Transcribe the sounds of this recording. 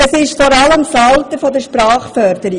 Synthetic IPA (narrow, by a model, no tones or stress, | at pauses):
ɛsɪʃfɔɾɑləmfɑltəfɔdəʃpɾɑːχfœɾd̥əɾi